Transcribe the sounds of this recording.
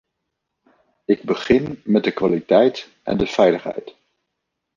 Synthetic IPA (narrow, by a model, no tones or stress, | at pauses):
ɪɡ̚bəχɪnmɛt̚dəkʋalitɛjt | ʔɛ̰ndəv̥ɛjləχɦɛ̰jt